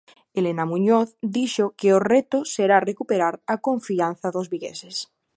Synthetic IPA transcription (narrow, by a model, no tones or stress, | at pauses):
elenamũɲoθd̪iʃokeoret̪oseɾarekupeɾaɾakoɱfian̟θaðozβiɣḛses